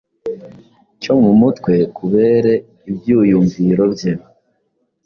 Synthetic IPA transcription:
co̞mumutkwe̞kuβe̞ːɾe̞ | ibjuːjuɱviɾo̞bjeβo

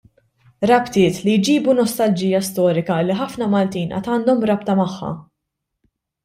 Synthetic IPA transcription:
ɾɐpt̪ɪːt̪lijd͡ʒiːbunɔst̪ɐld͡ʒijːɐst̪ɔːɾɪkɐlːiħɐfnɐmɐlt̪iːnʔɐ̰t̪ɐːnd̪ɔmɾɐpt̪ɐmɐħːɐ̰

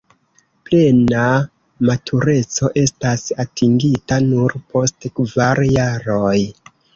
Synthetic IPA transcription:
ple̞na | matʰuɾe̞t͡so̞ʔe̞stasatʰiŋɡitanuɾpo̞stkvaɾjaɾo̞j

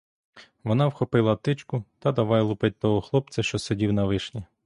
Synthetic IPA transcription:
ʋɔnɑwxɔpɪlˠɐt̪ɪt͡ʃkʊt̪ɐd̪ɐʋɑjɛlˠupɪt̪̚ʲt̪ɔɦɔxlˠɔpt͡s̪ʲɐʃt͡ʃɔsedʲiwnɐʋɪʃnʲi

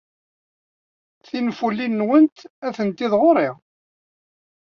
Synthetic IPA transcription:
θinfulːinːwənt̪æθənt̪iðʁoɾɪʁ

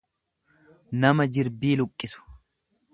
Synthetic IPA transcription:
nɐmɐd͡ʒɪɾbiːlʊkʼːɪsʊ̥

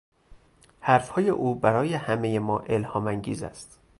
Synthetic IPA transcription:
hæɾfhɒːje̞̰ʔuːbæɾɒːje̞hæmejemɒːʔe̞lhɒːmæŋɟḭːzæ̰st̪

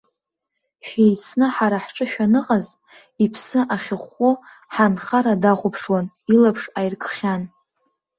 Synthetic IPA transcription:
ʃᶣejt͡sʰnɨħaɾaħʈ͡ʂʼɨʃᶣanɨqʼaz | ipʰsɨʔaχʲɪχʷʊ | ħanχaɾadaχʷʊpʰʂwanilapʰʂajrkʰʼχʲan

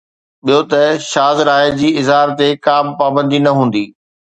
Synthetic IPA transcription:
ɓijot̪ɐʃaːzɾaːed͡ʑiːɪzɦaːɾt̪ekaːmpaːbə̃nd̪inɐɦũːn̆d̪iː

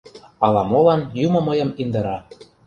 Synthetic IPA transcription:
ɑlɑmolɑnjumɤ̆məjɤ̆mind̪ɤ̆ɾɑ

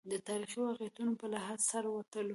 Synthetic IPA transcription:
d̪ət̪ɑɾixiowaqjat̪unopəlaɦazsaɾwat̪əlo

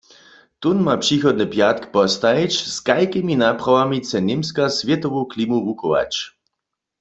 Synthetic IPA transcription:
t̪unmapʂixɔd̪nəpjat̪̚kpɔst̪aet͡ʃskajkiminaprawamit͡sɛnemskasvjɛt̪ɔʋoklimuvukɔʋa̰t͡ʃ

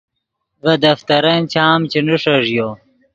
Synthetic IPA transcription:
vɐd̪ɐft̪ɐɾɐnt͡ɕʰaːmt͡ɕinuʂɐʐjo

